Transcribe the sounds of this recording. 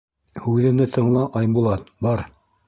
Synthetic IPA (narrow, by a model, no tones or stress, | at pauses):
hʉðɘ̆nɘt̪ʰɤ̆ɴlˠɑʔɑjmbulˠɑt̪bɑɾ